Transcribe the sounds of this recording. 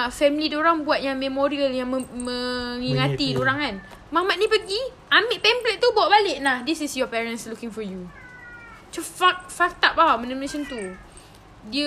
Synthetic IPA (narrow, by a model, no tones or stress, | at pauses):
fɛmilidoɾaŋbuat̪̚jaŋmɛmoɾiəljaŋmə̃ŋiŋat̪idoɾaŋan | mãmaʔ̪̚nĩpəɡi | amiʔpɛmplɛʔt̪ubawaʔbalɪʔnahdisisjɔpɛɹənslukɪ̃ŋfɔju | t͡ʃufak̚fak̚t̪apamə̃nəmənesənt̪u | diə